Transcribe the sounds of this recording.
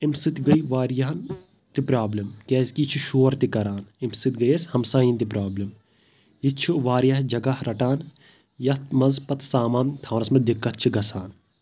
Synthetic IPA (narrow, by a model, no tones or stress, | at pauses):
imsɨt̪ɡɐiʋaːɾjaɦɐn | t̪ipɾaːblimkɛːzkit͡ʃʰuʃoːɾt̪ikɐɾaːnimsɨt̪ɡɐjɐshɐmsaːjint̪ipɾaːblim | jitt͡ʃʰuʋaːɾjaːɦd͡ʒɐɡahɾɐʈaːn | jɐt̪mɐnzpɐt̪saːmaːnt̪ʰɐːʋnɐsmɐd̪ikːɐt̪̚t͡ʃʰiɡɐsaːn